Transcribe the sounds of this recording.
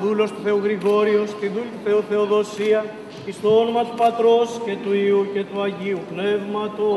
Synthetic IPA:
ðulo̞st̪u̥θe̞uɣɾiɣo̞ɾio̞st̪iðulit̪uθe̞uθe̞o̞ðo̞siɐ | ist̪oonomɐt̪upɐt̪ɾo̞sce̞t̪uiuce̞t̪uɐʝiupne̞vmɐt̪o

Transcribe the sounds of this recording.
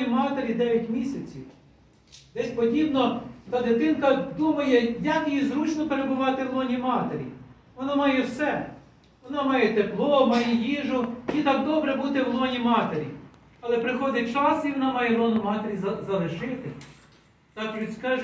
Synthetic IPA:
imɑt̪eɾʲid̪ɛʋʲɐtʲmʲisʲɐt͡sʲiw | d̪ɛsʲpɔdʲibnɔt̪ɑd̪ɪt̪ɪnkɐd̪umɐjɛjɐkjjizɾut͡ʃnɔpeɾebʊʋɑt̪ɪwlˠɔnʲimɑt̪eɾʲḭ | ʋɔnɑmɑjɛwsɛ | ʋɔnɑmɑjɛt̪eplˠɔmɑjɛjiʒʊjit̪ɑk̚d̪ɔbɾɛbut̪ɪwlˠɔnʲimɑt̪eɾʲḭ | ɐlˠɛpɾɪxɔd̪ʲɐt͡ʃɑsiʋɔnɑmɑjɛlˠɔnʊmɑt̪eɾʲizɐlˠeʒɪt̪ɪ | t̪ɑkʋʲiskɑʒ

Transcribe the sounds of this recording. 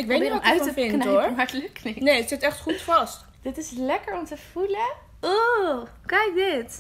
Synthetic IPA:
ɪkʋejtneɔœɥtəpɪnnoɹmɑtləknenejətsɪtɛχtχutfɑst | d̥ɪtɪslɛkəɹɔmtəfulə | okɛjk̚dɪt

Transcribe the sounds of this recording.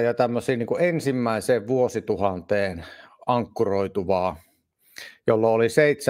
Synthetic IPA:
jɑt̪æmːøsiːniːŋkuensimːæˑeseːʋʋuosit̪uhɑnt̪eːnɑŋkːuroˑit̪uʋɑː | jolːɑoliseˑit̪se

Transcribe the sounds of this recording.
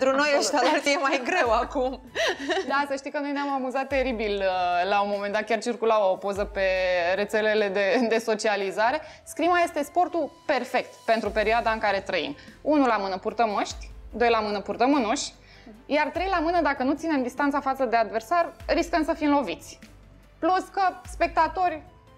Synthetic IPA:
t̪ɾuno̞jəʃt̪alart̪jemajɡɾe̞wakum | d̪asəʃt̪ikəno̞jneamamuzat̪ːe̞ɾibiləlaunmo̞mend̪at̪̚kʲart͡ʃirkulaopo̞zəpe̞ɾe̞t̪se̞le̞le̞d̪e̞d̪e̞so̞t͡ʃializaɾe̞skɾimaje̞st̪e̞spo̞rt̪upe̞rfe̞k̚t̪pe̞nt̪ɾupe̞ɾioad̪aɨŋkaɾe̞t̪ɾəḭmunulamɨnəpurt̪əməʃt̪ʲd̪o̞jlamɨnəpurt̪əmɨnuʃ | jart̪ɾe̞jlamɨnəd̪akənut̪sine̞md̪ist̪ant̪safat̪səd̪e̞ad̪ve̞rsarɾiskəmsəfimlo̞vit̪sʲ | pluskəspe̞k̚t̪at̪o̞rʲ

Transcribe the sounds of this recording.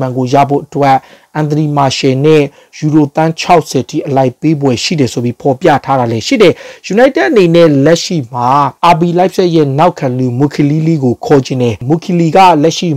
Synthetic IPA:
ãŋɡoja̰bo̰ʔətwɛʔʔãnt̪ənimaʃɛnɛ | juɾot̪ãt͡ɕʰaʊʔsʰɛtʰḭʔəlaɪpːebwɛʃḭdɛsobjipʰɔpjä̰tʰaɾalɛʃḭdɛjunaɪ̃tɛʔənenɛlɛʔʃḭm̥aʔab̬ilaɪpsɛʔjɛnaʊkʰãlumukʰililiɡokʰɔd͡ʑɪ̃ndɛmukʰiliɡä̰lɛʔʃḭ

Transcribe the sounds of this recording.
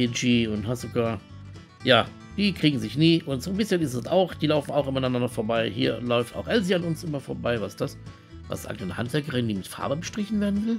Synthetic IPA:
end͡ʒiːʊnthastz̥oɡaːɐ | jaː | d̥iːkʁ̥iːɡŋ̩zɪçniːʔʊntz̥oːnbɪsçənɪstɛsaʊxd̥iːlaʊfn̩aʊxʔɪmɐnanɐndɐfoːɐbaɪhḭːɐlɔʏfta̰ʊxʔɛlziːanʊnsʔɪmɐfoːɐbaɪvasd̥as | va̰sa̰ɪɡŋanəha̰ntv̥ɛɐkəʁɪndiːmɪtfa̰ɐbəbəʃtʁ̥ɪçn̩veːɐdn̩vɪl

